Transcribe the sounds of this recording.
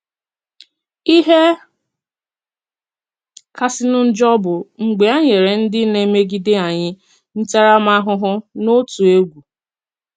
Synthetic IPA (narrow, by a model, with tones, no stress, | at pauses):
i˦ɦe˦ | ka˨sɪ˨nʊ˦n̩˦d͡ʒɔ˦bʊ˨ŋ͡m̩˨ɡ͡be˨a˦ɲe˨ɾe˨n̩˦dɪ˦ne˦me˦ɡi˦dɪ˦a˨ɲɪ˦ | n̩˦ta˦ɾa˦ma˦ɦʊ˦ɦʊ˦no˦tu˨e˦ɡʷu˨